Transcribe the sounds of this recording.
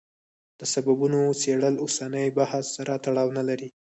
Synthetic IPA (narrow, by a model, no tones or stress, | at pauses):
d̪̥əsababunot͡seɽəlosanəjbahsːaɾat̪aɽɑwnalaɾi